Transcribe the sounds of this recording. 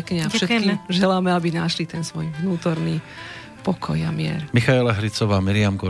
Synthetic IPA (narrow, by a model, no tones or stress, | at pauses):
kɲɛafʃɛt̪kiʒɛlamɛabinaʃlit̪ɛnsʋɔjvnuːt̪ɔɾniː | pɔkʰɔ̰jamɪɛ̰ɾmixaɛlaɦɾit͡sɔʋaːmiɾiamɡɔ